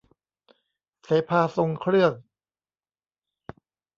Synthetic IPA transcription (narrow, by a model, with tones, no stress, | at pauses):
seː˩˦pʰaː˧so˧ŋkʰɾɯ˥˩əŋ